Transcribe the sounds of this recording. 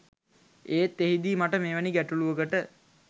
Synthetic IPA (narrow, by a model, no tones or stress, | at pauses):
eːt̪ːeɦid̪iːmaʈəmeːʋæniɡæʈuluʋəɡəʈə